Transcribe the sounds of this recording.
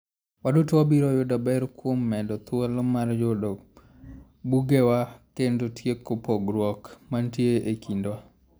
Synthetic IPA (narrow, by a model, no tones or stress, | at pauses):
wadotwabiɾɔjodabɛɾkwomːɛdɔt̪ʊalɔmaɾd͡ʒodɔ | buɡewakendotʰjekːopɔɡɾwɔkmantjeʔekʰindwa